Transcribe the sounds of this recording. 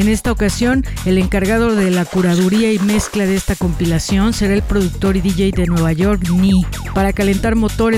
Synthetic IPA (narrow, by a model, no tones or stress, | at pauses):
ene̞st̪aokasjo̞n | e̞le̞ŋkaɾɣað̞o̞ðe̞lakuɾaðuɾiaime̞sklaðe̞st̪ako̞mpilasjo̞nse̞ɾae̞lpɾo̞ðuk̚t̪o̞ɾiðiʝejd̪e̞nwe̞β̞aʝo̞ɾkni | paɾakale̞nt̪aɾmo̞t̪o̞ɾe